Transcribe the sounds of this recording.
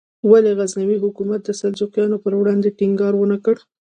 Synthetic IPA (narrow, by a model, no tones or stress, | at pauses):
waleɣaznawiɦʊkumat̪̚d̪əsald͡ʒuqjɑnopəɾwɽɑnd̪eʈɪŋɡɑɾwənakəɽ